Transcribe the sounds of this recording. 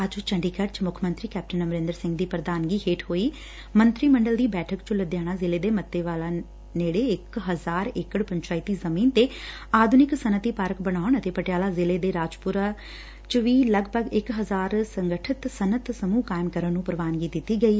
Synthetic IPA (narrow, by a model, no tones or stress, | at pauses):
əd͡ʒt͡ʃəɳɖiːkəʈt͡ʃmʊkʰmə̃nt̪ɾiːkɛːp̚ʈənəmɾẽːnd̪əɾsɪ̃ŋɡd̪iːpɾəd̪aːnɡiːheːʈʰɦoːiː | mənt̪ɾiːməɳɖəld̪iːbɛːʈʰəkt͡ʃʊləd̪jaːɽ̃aːzɪleːd̪eːmət̪ːeːʋaːlaː | neːɽeːɪkɦəzaːɾɪkəɽpəɲt͡ʃaːiːt̪iːzəmiːnt̪eː | aːd̪ʱunɪksənət̪iːpəɾəkbəɽ̃aːəɳət̪eːpəʈjaːlaːzɪleːd̪eːɾaːd͡ʒpʊɾaː | t͡ʃʋiːləɡbʱəɡɪkɦəzaːɾsəŋɡəʈʰɪt̪sənət̪səmuːkaːɪmkəɾənːũːpəɾʋaːnɡiːd̪ɪt̪ːiːɡəiː